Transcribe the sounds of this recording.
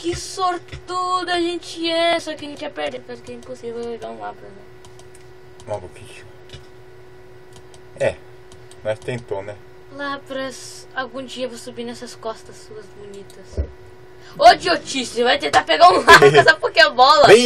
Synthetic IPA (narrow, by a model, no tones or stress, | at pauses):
kɪsoɾt̪ud̪ʊɐʒẽnt͡ʃɪɛsɔkɪɐʒẽnt͡ʃɪɛpeɾd̪ekasʊ̥kɪɛĩposiveweɡaũlapɾɐnɐ̃ | ũmɐbokiʃɐ̥ | ɛ | mɐst̪ẽnt̪õnɛ | lapɾɐs | awɡũd͡ʒiɐvosubinɛsɐskɔst̪ɐsːuɐzbonit̪ɐs | od͡ʒɪot͡ʃisvajt̪ẽnt̪aɾpeɡaũlapɐsapokeɐbɔlɐe